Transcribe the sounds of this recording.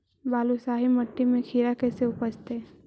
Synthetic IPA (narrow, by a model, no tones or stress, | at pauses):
baːlusaːɦimɐʈːimẽkʰiːɾakɛːseʊpəd͡ʒt̪e